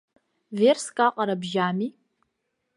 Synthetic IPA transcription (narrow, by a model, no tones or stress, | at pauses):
verskʼaqʼaɾabʒami